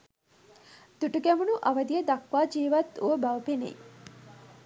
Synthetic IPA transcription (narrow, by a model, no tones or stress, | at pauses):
d̪̥uʈuɡæmunuʔɐʋɐd̪ijəd̪ɐkʋaːd͡ʒiːʋɐt̪ːuʋəbɐʋɐpenḛj